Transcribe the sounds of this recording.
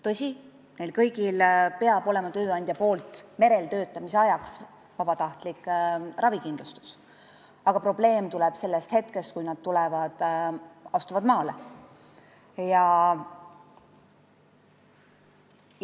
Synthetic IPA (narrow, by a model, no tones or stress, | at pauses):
t̪ɤsʲi | nejlkɤjɡ̥ilpe̞ɑb̥o̞lemɑt̪ø̞ːɑnʲd̪jɑpo̞ːlt̪ːˑme̞ɾe̞lt̪ø̞ːt̪ːˑɑmiseɑjɑks | vɑb̥ɑt̪ɑht̪likːˑrʔɑvikind̪lust̪u̥s | ɑɡ̥ɑpro̞b̥le̞ːmt̪ulɛb̥se̞lːest̪he̞t̪ke̞st̪kujnɑd̪̥t̪ulɛvɑd̪̥ | ɑst̪uvɑd̪mɑːle | jɑ